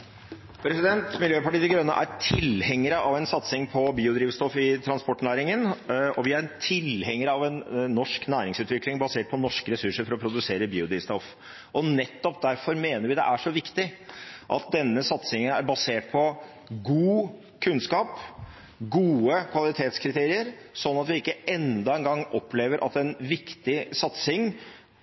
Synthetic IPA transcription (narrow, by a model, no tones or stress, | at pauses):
pʰɾɛsɪd̪ɛnt̪mɪljøːpɑʈiːd̪ɪɡɾœnːəʔæɾʈʰɪlhɛŋːəɾəʔɑʋɛnsɑt̪sɪŋpʰɔbiːʊd̪ɾiːʋst̪ɔfɪt̪ʰɾɑnspɔʈːnæːɾɪŋənɔʋɪæɾt̪ʰɪlhɛŋːəɾəɑʋɛnːɔʂknæːɾɪŋsʉːt̪ʋɪklɪŋbɑseːʈ̚pʰɔnɔʂkəɾɛsʉʂəɾfɔɾɔpʰɾʊd̪ʉseːɾəbiːʊd̪ɾiːʋst̪ɔf | ʔɔnɛt̪ːɔp̚d̪æɾfɔɾmeːnəɾʋɪd̪ɛ̰ʔæʂɔʋɪkt̪ɪʔɑ̰t̪̚d̪ɛnːəsɑt̪sɪŋənæɾbɑseːʈ̚pʰɔ | ɡuː | kʰʉnskɑːp | ɡuːəkʰʋɑlɪt̪ʰeːt̪skʰɾɪt̪ʰeːɾɪəɾsɔnːɑt̪ʋɪɪkːəɛnd̪ɑɛnɡɑŋːɔpːleːʋəɾʔɑ̰t̪ɛnʋɪkt̪ɪsɑt̪sɪŋ